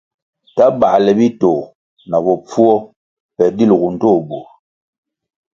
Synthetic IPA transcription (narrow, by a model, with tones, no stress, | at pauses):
ta˦ba˨lɛ˨bi˦to˨ | na˨bɔ˨p͡fu˦ɔ˦ | pɛ˨di˦lɣu˨n̩˨to˦˨bo˨